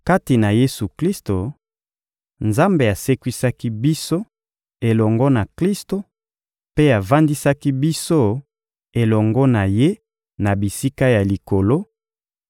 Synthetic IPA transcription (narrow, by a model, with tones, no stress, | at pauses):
ka˦ti˨na˨je˦su˨kli˦sto˨ | nza˦mbe˨a˨se˦kwi˦sa˦ki˦bi˦so˦ | e˨lɔ˨ŋɡɔ˦na˨kli˦sto˨ | pe˦a˨va˦ndi˦sa˦ki˦bi˦so˦ | e˨lɔ˨ŋɡɔ˦na˨je˦ | na˨bi˨si˦ka˦ja˨li˨ko˨lo˦